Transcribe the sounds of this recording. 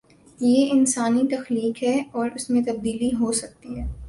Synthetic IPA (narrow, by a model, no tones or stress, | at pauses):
jeɪnsaːnit̪ɐxliːkɦɛɔːɾʊsmẽt̪ɐb̚d̪iːliɦosɐk̚t̪iɦɛː